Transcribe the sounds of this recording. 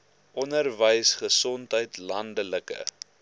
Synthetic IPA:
ʔɔnərvəjsχəsɔntɦəjtlɐndələkə̰

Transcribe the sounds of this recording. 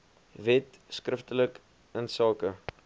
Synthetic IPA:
vɛt | skrəftələk | ənsɑːkə

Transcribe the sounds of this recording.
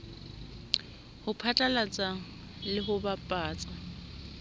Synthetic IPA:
hʊpʰat͡ɬʼalat͡sʼaŋ̩ | lɪɦʊbapʼaːt͡sʼa

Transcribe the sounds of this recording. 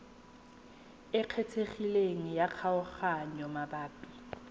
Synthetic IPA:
ɪq͡χʰɛtʰeχileŋ̩jaq͡χʰaʊχaɲɔmabaːpʼi̥

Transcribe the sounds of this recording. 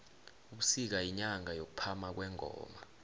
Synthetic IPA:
uk̬u̥sik̬aiɲaŋajok̬upʰamak̬wɛːŋʱɔ̰ːmaa

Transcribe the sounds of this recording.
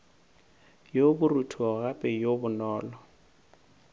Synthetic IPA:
jobʊrutʰuɔɣapʼɛjobʊnɔːlɔ

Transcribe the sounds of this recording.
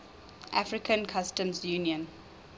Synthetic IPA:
ʔafɹikʰə̃nkʰastə̃mzjuniə̃n

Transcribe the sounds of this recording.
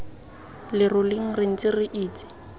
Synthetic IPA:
lɪrʊlɪŋ̩rɪŋ̩t͡sɪrɪʔiːt͡sɪ̥

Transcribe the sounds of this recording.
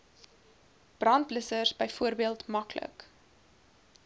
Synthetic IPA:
b̥rɐnt̚bləsərsbəjfuəɾbiəlˠtmɐklə̰k

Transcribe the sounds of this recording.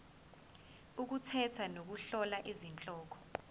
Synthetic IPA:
uk̬utʰɛtʰanok̬uɬɔlaʔizint͡ɬʼɔːkʰɔ̥

